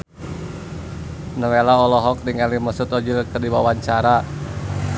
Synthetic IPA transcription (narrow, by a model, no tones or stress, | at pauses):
nəwelaɔlɔɦɔk̚niŋaliməsut̪ɔd͡ʒilkərdiwawaɲt͡ʃaɾa